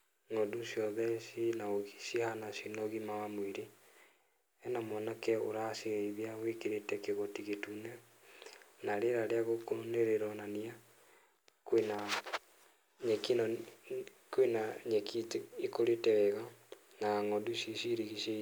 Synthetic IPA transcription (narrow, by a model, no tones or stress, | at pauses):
ŋɔdusijɔðɛsinaoɣisihanasinɔɣimawamwiɾe | ɛnamɔnakɛoɾaseɛiðiawekeɾetɛkeɣotiɣetunɛ | naɾeɾaɾeaɣokoneɾeɾɔnania | kwena | ɲekinɔ | kwenaɲekitikoɾetɛwɛɣa | naŋɔdusisiɾiɣise